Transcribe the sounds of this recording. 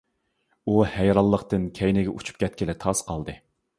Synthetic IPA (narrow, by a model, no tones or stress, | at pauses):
uhɛjɾɑlˠːəqt̪ɨnkʲʰɛjnɪɡʲɛʔut͡ʃʰu̥p̚kʲʰɛt̪̚kʲʰɪlɪt̪ʰɑsqɑlˠd̪ɨ